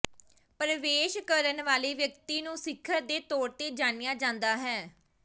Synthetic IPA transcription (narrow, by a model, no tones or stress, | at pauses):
pɾəʋeːʃkəɾənʋaːleːʋjəkt̪iːnũːsɪkʰːəɾd̪eːt̪oːɾt̪eːd͡ʒaːnɪjaːd͡ʒãːnd̪aːɦɛː